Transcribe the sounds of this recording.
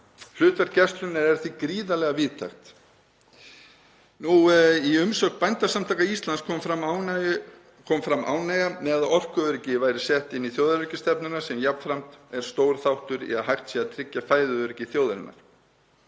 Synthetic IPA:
l̥ʏːt̪aɾcɛst̪lʏnɪɛɾ̥θikɾiːðalɛɣaviːðt̪ʰa̰jxt̪ | nuiʏmsɔkpajnt̪asamt̪ʰajkaist̪lanskʰɔmfɾam | kʰɔːmfɾamʔa̰ːwnajɣamɛaðɔr̥kʏʏɾɪcɪvaːjɾɪ̥sjɛht̪ɪnːiθjoːwðaɾʏcɪst̪ɛpnʏnasɛmjapnfɾam̥t̪ɛɾ̥st̪oːwɾ̥θawht̪ʏɾḭaðɦajht̪siaðt̪ʰɾɪcːafaːjðʏœɾɪcɪθjoːwðaɾɪ̰nːa̰ɾ̥

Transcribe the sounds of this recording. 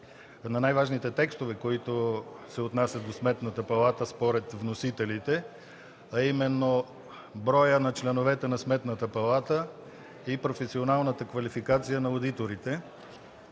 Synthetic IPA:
nɐnajvaʒnit̪ɛt̪ɛkst̪ovɛkoit̪osɛot̪nasʲɐt̪d̪osmɛt̪nət̪əpɐlˠat̪əspoɾɛt̪vnosit̪ɛlit̪ɛ | ɐimɛnːo | bɾɔjənɐt͡ʃlɛnovɛt̪ɛnɐsmɛt̪nət̪əpɐlˠat̪ə | ipɾofɛsionalˠnət̪əkvɐlifikat̪sijənɐod̪it̪oɾit̪ɛ

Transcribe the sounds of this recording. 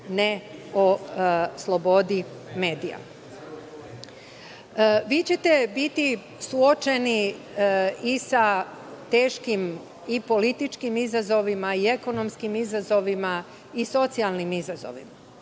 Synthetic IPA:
neoslˠo̞bo̞d̪i | me̞ːd̪ija̰ | ʋiːt͡ɕe̞t̪e̞bit̪i | suot͡ʃe̞ni | isa | t̪e̞ːʃkim | ipo̞lit̪it͡ʃkimizazo̞ʋimaie̞ko̞no̞mskimizazo̞ʋima | iso̞t̪sialˠnimizazo̰ʋḭma

